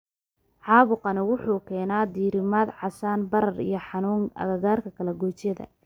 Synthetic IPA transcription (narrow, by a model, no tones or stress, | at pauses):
ʕɑːβʊqɑnɪwʊħuːkʰɛːnaːd̪iːɾɪmaːd̪ʕɑsaːnbɐɾɐrḭjɞħɑnuːŋɐ̰ɣɐɣaːrkʰɐkʰɐlɛɡɔːt͡ʃjɐðɐ̰